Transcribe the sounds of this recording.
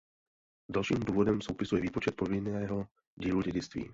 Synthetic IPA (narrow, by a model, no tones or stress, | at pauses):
dalʃiːmduːvo̞dɛmsowpɪsujɛviːpot͡ʃɛt̪̚po̞vɪnɛːɦo | ɟiːluɟɛɟɪt͡st̪vḭː